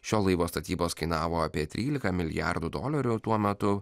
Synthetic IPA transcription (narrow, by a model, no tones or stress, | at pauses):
ʃʲoːlˠɐɪʋoːst̪ɐt̪ʲiːboːskɐɪnɑːʋoːɑpʲiɛt̪ʲɾʲiːlʲɪkɐmʲɪlʲɪ̰jæ̰ɾd̪ʊd̪o̰ːlʲɐɾʲʊt̪uɔmʲɛt̪ʊ